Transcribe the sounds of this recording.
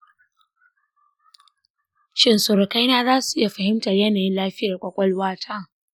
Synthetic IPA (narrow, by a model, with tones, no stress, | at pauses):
ʃɪ˦nsʊ˨ɾɐ˨ka˦jnaː˦zaː˦su̥˨ʔɪ˦ja˨ɸɐ˨hɪ˦mtɐ˨rjɐ˦naː˨jɪ˦nlaː˦ɸɪ˦ja˨rkʷʼɔ˨kʷʼɔ˦lwaː˦tʰaː˦˨